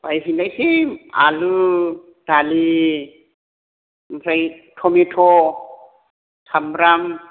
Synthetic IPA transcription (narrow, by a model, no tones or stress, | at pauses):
pajɦinlajsima̰lɯ | dali | mpʰɾaj | tʰɔmetʰɔ | tʰamɾam